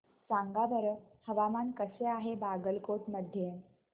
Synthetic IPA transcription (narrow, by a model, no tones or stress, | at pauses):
sãŋɡabəɾəhəʋamankəseaɦebaɡəlkoʈməd̪ʱje